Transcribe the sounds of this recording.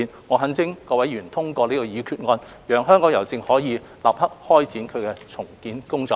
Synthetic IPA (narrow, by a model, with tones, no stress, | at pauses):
nŋɔː˨˧ɦɐ˨˥nt͡sɪ˥ŋkɔː˧wɐ˨˥jyː˨˩nt̪ʰʊ˥ŋkɔː˧liː˥kɔː˧jiː˨˧kʰyː˧t̚ŋɔː˧n | jœː˨˧ŋɦœː˥ŋkɔː˨˥jɐ˨˩wt͡sɪ˧ŋhɔː˨˥jiː˨˧ | laː˨p̚hɐ˥k̚hɔː˥jt͡sʰiː˨˥nkʰɵ˨˧ɥkɛː˧t͡sʰʊ˨˩ŋkiː˨˥nkʊ˥ŋt͡sɔː˧k